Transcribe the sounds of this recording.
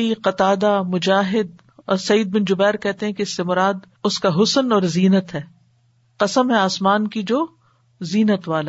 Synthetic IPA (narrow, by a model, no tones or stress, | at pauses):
iqɐt̪aːd̪amʊd͡ʒaːɦɪd̪̚ | ɔːɾsɐiːd̪̚bɪnd͡ʒʊbɛːɾkɛɦt̪eɦɛ̃keɪsːemʊɾaːd̪ | ʊskaɦʊsənɔːɾziːnət̪ɦɛː | qɐsəmɦɛaːsmaːnkid͡ʒoː | ziːnət̪ʋaːla